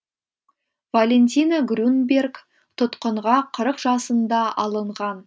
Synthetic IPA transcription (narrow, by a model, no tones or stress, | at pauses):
valʲe̞nt̪ʲijnaɡɾunbʲe̞rk | t̪ʰʊt̪qəɴʁɑqʰəɾəqʒɑsənd̪ɑɑlˠəɴʁɑn